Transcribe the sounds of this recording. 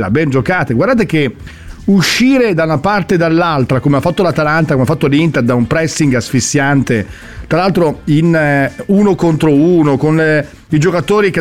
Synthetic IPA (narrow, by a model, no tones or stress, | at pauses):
la̰bɛnd͡ʒokaːt̪eɡward̪aːt̪̬ek̟e | uʃːiːɾed̪aunapart̪ed̪alːalt̪ɾakomeafːat̪ːolat̪alant̪akomeafat̪ːolint̪ed̪aumpɾɛsːiŋɡasfisːjant̪e | t̪ɾalalt̪ɾoinuːnokont̪ɾouːnokon | id͡ʒokat̪oːɾike